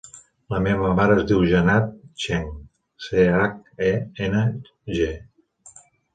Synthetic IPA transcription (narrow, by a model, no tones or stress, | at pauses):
ləmeβəmaɾəːzd̪iwʒənat̪̚t͡ʃɛŋ | seak̚ɛenə | ʒe